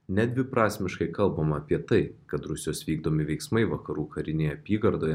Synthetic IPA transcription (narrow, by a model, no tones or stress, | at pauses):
nʲɛd̪ʲʋʲɪpɾɑːsʲmʲɪʃkɐɪkɐlˠbɐmɐːpʲiɛt̪ɐɪkɐt̪ɾʊsʲɪjoːsʋʲiːɡd̪oːmʲɪʋʲɛɪksmɐɪʋɐkɐɾuːkʰɐɾʲɪnʲeːjɛɐpʲiːɡɐɾd̪oːjɛ